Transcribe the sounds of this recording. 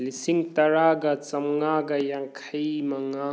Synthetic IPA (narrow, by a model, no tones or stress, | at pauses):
lisiŋt̪ɐɾaɡɐt͡ʃɐmŋaɡɐjaŋkʰɐjmɐŋa